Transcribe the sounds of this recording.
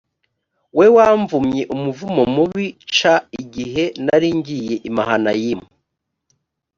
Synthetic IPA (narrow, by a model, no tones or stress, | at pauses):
we̞waɱvumɲe̞ʔumuvumomuβit͡ʃaiɡiɦe̞naɾiɲɟije̞ʔimahanajimu